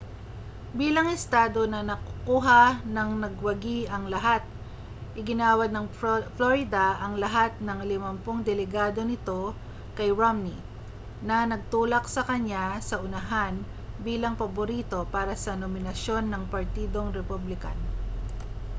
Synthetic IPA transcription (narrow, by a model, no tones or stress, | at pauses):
biːlɐŋɛst̪aːd̪o̞nɐnɐkʊkuːɦɐnɐŋnɐɡwɐɡiɐŋlɐɦat̪̚ | ʔɪɡɪnaːwɐd̪̚nɐŋfloɾɪd̪ɐʔɐŋlɐɦat̪̚nɐŋlɪmɐmpoŋd̪ɛlɛɡaːd̪o̞nɪt̪o̞ | kɐjɹomni | nɐnɐɡ̚t̪uːlɐk̚sɐkɐɲasɐʔʊnɐɦan | biːlɐŋpɐboɾit̪o̞paːɾɐsɐnomɪnɐʃjo̞nːɐŋpɐɾt̪iːd̪o̞ŋɾɛpublɪka̰n